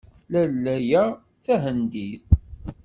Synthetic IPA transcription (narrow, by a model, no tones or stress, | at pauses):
lælːæjæ | t͡sːæɦənd̪iθ